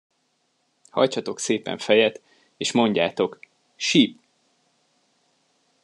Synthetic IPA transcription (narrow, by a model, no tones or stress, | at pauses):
hɒ̰jt͡ʃɒt̪o̞kseːpɛ̰ɱfɛjɛt̪ | eːʃmo̞ɲɟaːt̪o̞k | ʃip̚